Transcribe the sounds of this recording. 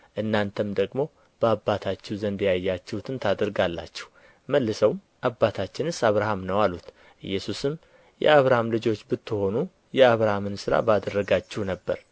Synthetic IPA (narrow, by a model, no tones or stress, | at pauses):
ʔɨnːant̪ʰəmd̪əɡmo̞ | b̥əabːat̪ʰat͡ʃːɛwzənd̪jajːat͡ʃːɛhut̪ʰɨnt̪ʰad̪əɾɡalːa̰t͡ʃːɛh | məlːɨsəwm | ʔabːat̪ʰat͡ʃːɪnɨsaβɾahamnəwalut̪ | ʔɨ̰jːɛsusɨm | jɛ̰aβɾahamlɨd͡ʒo̞t͡ʃːbɨt̪ːɨho̞nu | jɛaβɾahamɨnsɨɾa̰bad̪ərːəɡat͡ʃːɛhnəbːə̰ɾ